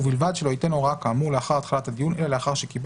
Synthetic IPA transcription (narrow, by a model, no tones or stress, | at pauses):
bilvad̪ʃelo̞it̪enoʁakaːmuʁleaχaʁat̪χalat̪ad̪ijunʔe̞lale̞aχaʁʃekib